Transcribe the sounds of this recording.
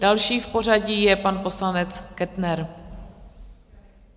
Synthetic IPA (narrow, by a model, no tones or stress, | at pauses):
alʃiːfpo̞r̝aɟiːjɛpanpo̞slanɛt͡skɛt̪nɛɾ